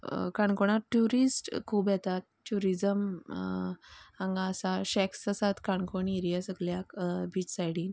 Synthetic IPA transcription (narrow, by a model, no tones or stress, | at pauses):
kaɳkoɳ̃aʈuɾisʈkʰuːbjɛt̪at̪̚ʈuɾid͡zəm | aŋɡasaɕɛksəsat̪kaɳkoɳiɾijəsəkljakbiːt͡ssajɽiːn